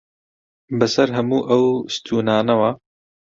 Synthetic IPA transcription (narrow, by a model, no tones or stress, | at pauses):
bɨsɐɾɦɐmuːʔɐwst̪ʰuːnaːnɐwa